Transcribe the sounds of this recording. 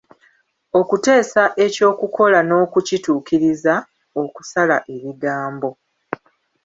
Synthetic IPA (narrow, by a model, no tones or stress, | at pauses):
o̞kute̞ːsaʔe̞co̞ːkuko̞lano̞ːkucituːkiɾiza | o̞ku̥salaʔe̞βiɡaːmbo̞